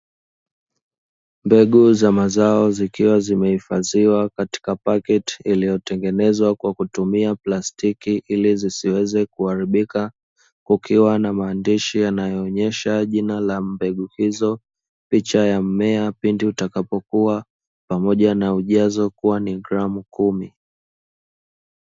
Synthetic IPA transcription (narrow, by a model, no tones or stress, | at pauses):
mbɛɠuzamazaɔzikiwazimɛhifaziwakati̥kapakɛti̥ilijɔtɛŋɡɛnɛzwakwakutumiaplastikiʔilizisiwɛzɛkuhaɾiɓika | kukʰiwanamaːndiʃijanajɔːɲɛʃaʄinalambɛɠuhizɔ | pit͡ʃajamɛapindiutakapɔkua | pamɔʄanauʄazɔkuwaniɡɾamukumi